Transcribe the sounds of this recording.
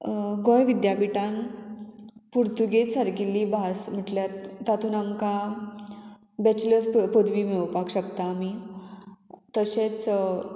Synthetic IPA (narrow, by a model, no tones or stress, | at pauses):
ɡɔ̃jʋid̪japiʈan | puɾt̪uɡesəɾkilːiːbʱasm̤əʈljat̪ːat̪ʰuːnamka | bɛt͡ɕləspod̪ʋimewpakɕəkt̪aːmi | t̪əɕẽt͡s